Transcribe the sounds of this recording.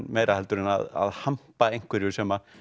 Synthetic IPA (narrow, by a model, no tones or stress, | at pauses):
nmeːjɾʔahɛlt̪ʏɾɪna̰ða̰ðham̥paejŋ̥kʰvɪɾiɔsɛːma